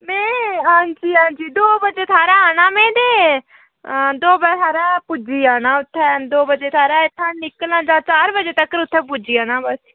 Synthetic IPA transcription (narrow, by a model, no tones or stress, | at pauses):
mɛ̃ːɦãːɲd͡ʒiːɦãːɲd͡ʒiːd̪oːbəd͡ʒeːt̪ʰaːɾaːaːnaːmɛ̃ːd̪eː | d̪oːbət̪ʰaːɾaːpud͡ʒiːaːnãːʊt̪ʰːɛːd̪oːbəd͡ʒeːt̪ʰaːɾaːɪt̪ʰːãːnɪklãːd͡ʒãːt͡ʃaːɾbəd͡ʒeːt̪əkːəɾʊt̪ʰːɛ̃ːp̬ud͡ʒiːaːnãːbəs